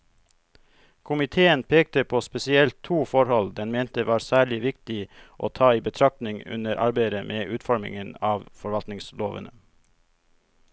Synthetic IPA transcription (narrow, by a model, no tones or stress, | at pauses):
kʰʊmɪt̪ʰeːənpʰeːk̚t̪əpʰoːspɛsɪɛlt̪ʰːuːfɔɾhɔld̪ɛnmeːnt̪əʋɑːɾsæːɭɪʋɪkt̪ɪʔo̰ːt̪ʰɑːiːbət̪ʰɾɑk̚t̪nɪŋʉ̰nəɾʔɑ̰ɾbæɪd̪əmʔeːʔʉːt̪fɔɾmɪ̰ŋənɑːʋfɔɾʋɑlt̪nɪŋsloːʋə̰nə